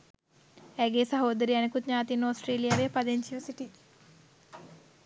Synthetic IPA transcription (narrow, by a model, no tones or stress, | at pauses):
æːɡeːsaɦoːd̪əɾiɛnekut̪ɲaːt̪inːosʈreːlijaːʋepad̪eɲsiʋəsiʈi